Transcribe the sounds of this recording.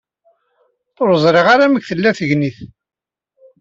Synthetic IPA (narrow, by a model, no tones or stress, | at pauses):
oɾzˤɾeʁaɾæməkθəlːæθəʝniθ